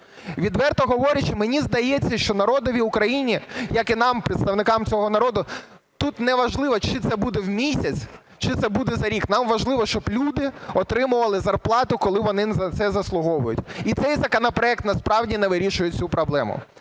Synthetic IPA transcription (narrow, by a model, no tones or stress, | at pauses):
ʋʲid̪ʋɛrt̪ɔɦɔʋɔɾʲɐt͡ʃɪmenʲizd̪ɐjet͡sʲːɐʃt͡ʃɔnɐɾɔd̪ɔʋʲiʊkɾɐjinʲijɐkɪnɑmpɾʲɪt̪st̪ɐʋnɪkɑmt͡sʲɔɦɔnɐɾɔd̪ʊ | t̪ut̪nɛʋɐʒlˠɪʋɔt͡ʃɪt̪sɛbud̪ɛwmʲisʲɐt͡sʲ | t͡ʃɪt̪sɛbud̪ɛzɐɾʲiknɑmʋɐʒlˠɪʋɔʃt͡ʃɔblʲud̪ɪɔt̪ɾɪmʊʋɐlˠɪzɐrplˠɑt̪ʊkɔlˠɪʋɔnɪnɐt̪sɛzɐslˠʊɦɔʋʊjʊ̰tʲit̪sɛjzɐkɔnɔpɾɔɛk̚t̪nɐspɾɑwdʲinɛʋɪɾʲiʃʊjʊt͡sʲupɾɔblˠɛmʊ̰